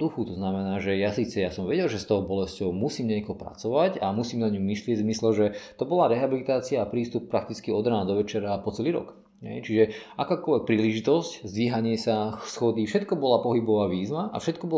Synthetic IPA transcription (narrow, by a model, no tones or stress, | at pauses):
d̪uxut̪ɔznamɛnaːʒɛjasiːt͡sɛjasɔmʋɛɟɛlʒɛst̪ɔʊbɔlɛscɔʊmusiːmɲɛkɔɦɔpɾa̰t͡sɔʋacamusiːmnaɲumislɪɛɟzmislɛʒɛt̪ɔbɔlaɾɛɦabilit̪aːt͡siaːpɾiːst̪up̚pːɾak̚t̪it͡skiɔd̪ɾaːnd̪ɔʋɛt͡ʃɛɾaːpɔt͡sɛliːɾɔ̰k | ɦɛ̰jt͡ʃiʒɛʔakaːkɔlʋɛk̚pɾiːliʒit̪ɔsczd̪ʋiːɦaɲɪɛsaxsxɔd̪ifʃɛt̪kɔbɔlapɔɦibɔʋaːʋiːzʋaʔa̰fʃɛt̪̚kɔbɔ